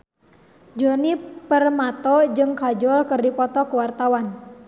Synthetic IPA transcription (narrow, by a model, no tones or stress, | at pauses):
d͡ʒɔnipərmat̪ɔd͡ʒɨŋkad͡ʒɔlkɨrdipɔt̪ɔkuwart̪awan